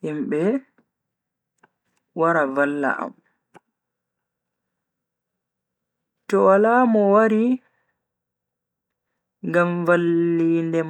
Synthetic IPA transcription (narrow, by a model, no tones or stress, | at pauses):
himɓɛ | waɾavalːa̰ʔa̰m | tɔalaːmɔwaɾi | ŋɡamvalːiːndɛm